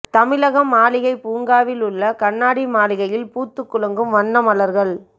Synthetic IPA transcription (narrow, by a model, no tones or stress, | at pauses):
t̪ɐmɪlɐɣɐmːaːlɪɣɐɪpuːŋɡaːʋɪlɯɭːɐkɐɳːaːɽimaːlɪɣɐjɪlpuːt̪ːɯkːʊlɐŋɡɯmʋɐnːɐmɐlɐɾɣɐɭ